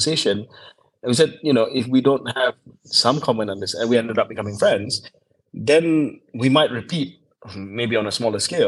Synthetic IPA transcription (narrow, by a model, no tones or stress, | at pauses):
əseʃə̃ñ | nwisɛd̚junoʔɪfwidõnthɛv̥sãmkʰɔmɛ̃ntɔ̃n̩d̪ɪsɛ̃nwiɛ̃ndədʌp̚bikʰamɪ̃ŋfɹɛ̃ndz | d̪ɛ̃nwimaɪt̚ɹipʰit̚ | mebiɔ̃nəsmɔləske